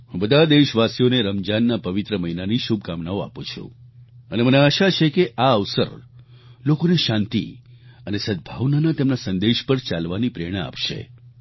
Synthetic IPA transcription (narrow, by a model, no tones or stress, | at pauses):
ɦũbəd̪ʱad̪eʃʋasijoneɾəmd͡ʒanːapəʋit̪ɾəməɦinaniʃub̚ʱkamnaoa̰pũt͡ʃʰṵ̃əneməneaʃat͡ʃʰekeʔaəʋsə̰ɾ | lokoneʃãnt̪ḭənesəd̪̚bʱaʋnanat̪emnasənd̪eʃpəɾt͡ʃalʋanipɾeɽ̃aa̰pʃḛ